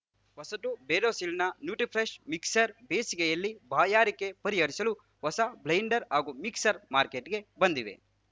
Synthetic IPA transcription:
ʋɐsɐʈ̪ubeːɾoːsilnɐnjuːʈipʰɾeʃmiksɐɾbeːsikejɐlːibaːjaːɾikːe̞pɐɾiɦɐɾisɐlu | ʋɐsɐblɐjɳɖɐɾɦaːɡumiksɐɾmaːɾkeʈɡe̞bɐnd̪iʋḛ

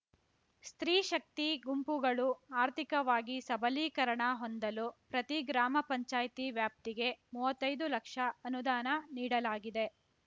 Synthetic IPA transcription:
st̪ɾiːʃɐk̚t̪iɡumpuɡɐɭuaːɾt̪ʰikɐʋaːɡisɐbʱɐliːkɐɾɐɳɐɦond̪ɐlupɾɐt̪iɡɾaːmɐpɐɲt͡ʃaːjt̪iʋjaːp̚t̪iɡe̞muːʋɐt̪ːɐjd̪ulɐkʂɐɐnud̪aːnɐniːɽɐlaːɡid̪e̞

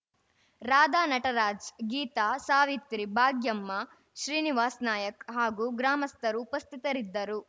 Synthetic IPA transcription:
ɾaːd̪aːnɐʈɐɾaːd͡ʒɡiːt̪aːsaːʋit̪ɾibʱaːɡjɐmːɐ | ʃɾiːniʋaːsnaːjɐkɦaːɡuːɡɾaːmɐst̪ʰɐɾuːpɐst̪ʰit̪ɐɾid̪ːɐɾu

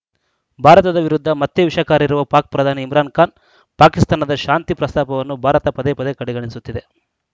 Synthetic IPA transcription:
bʱaːɾɐt̪ɐd̪ɐʋiɾud̪ʱːɐmɐt̪ːeʋiʃɐkaːɾɐiɾuʋɐpaːk̚pɾɐd̪ʱaːniːmɾaːnkaːn | paːkist̪aːnɐd̪ɐʃaːnt̪ipɾɐst̪aːpɐʋɐnːubʱaːɾɐt̪ɐpɐd̪epɐd̪ekɐɽɛɡɐɳisut̪ːid̪e̞

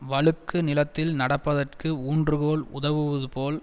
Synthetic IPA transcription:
ʋɐɭɯkːɯnɪlɐt̪ːɪlnɐɽɐpːɐðɐrkɯuːndrɯɣoːlʊ̰ðɐʋɯʋɐðɯpoːl

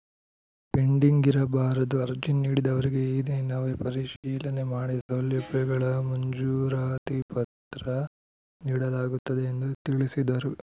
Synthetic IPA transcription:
piɳɖiŋɡiɾɐbaːɾɐd̪uɐɾd͡ʒinːiːɽid̪ɐʋɐɾiɡe̞iːd̪enaːʋepɐɾiʃiːlɐne̞maːɽisoljɐbɛɡɐɭɐmɐɲd͡ʒuːɾaːt̪ipɐt̪ɾɐ | niːɽɐlaːɡut̪ːɐd̪e̞ːnd̪ut̪iɭisid̪ɐɾu

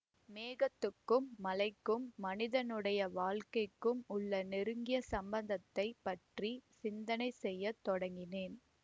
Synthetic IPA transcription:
meːɣɐt̪ːɯkːɯmːɐlɐɪkːɯmːɐnɪðɐnɯɽɐjɐʋaːlkɐɪkːɯmʊɭːɐnɪɾɯŋɡɪjɐsɐmbɐnd̪ɐt̪ːɐɪpːɐʈrisɪnd̪ɐnɐɪsɛjːɐt̪ːɔɽɐŋɡɪneːn

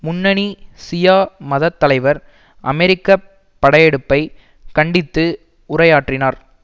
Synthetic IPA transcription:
mʊnːɐɳisɪjaːmɐðɐt̪ːɐlɐɪʋɐɾ | ʔɐ̰mɛɾɪkːɐ | pːɐɽɐjɛɽɯpːɐɪ | kɐɳɖɪt̪ːɯ | ʊɾɐjaːʈrɪnaːɾ

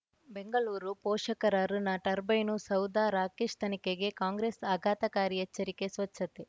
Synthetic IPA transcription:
beŋɡɐɭuːɾupoːʂɐkɐɾaːɾunaːʈɐɾbɐjnusɐwd̪aːɾaːkeʂt̪ʰɐnikeɡe̞kaːŋɡɾeːsaːɡʱaːt̪ɐkaːɾiɐt͡ʃːɐɾikesʋɐt͡ʃːɐt̪e

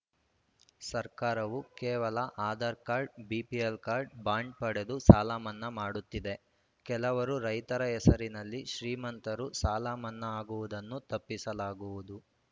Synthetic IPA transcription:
sɐɾkaːɾɐʋukɛːʋɐlɐʔaːd̪ɐɾkaːɾɖ̚biːpielkaːɾɖ̚baːɳɖ̚pɐɽed̪usaːlaːmɐnːɐmaːɽut̪ːid̪e̞ | kɛlɐʋɐɾuɾɐjt̪ɐɾɐɛsɐɾinɐlːiʃɾiːmɐnt̪ɐɾusaːlaːmɐnːɐaːɡuʋud̪ɐnːut̪ɐpːisɐlaːɡuʋud̪u

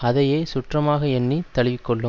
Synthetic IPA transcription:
ɐðɐjeːsʊʈrɐmaːɣɐɛnːit̪ɐɭɪʋɪkːɔɭːɯ

